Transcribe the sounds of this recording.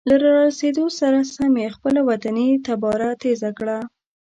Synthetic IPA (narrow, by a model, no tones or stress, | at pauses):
laɾɑɾɑɾsed̪osaɾasamjexpəlawat̪anit̪abɑɾat̪ezakɽa